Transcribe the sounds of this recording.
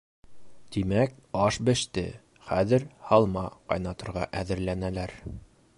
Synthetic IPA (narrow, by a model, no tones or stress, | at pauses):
t̪imæk̚ | ɑʃbɘ̆ʃt̪ɘ̰ | χæðɘɾhɑlˠmɑqɑ̰jnɑt̪ŏɾʁɑ̰ʔæðɘ̆ɾlænælæɾ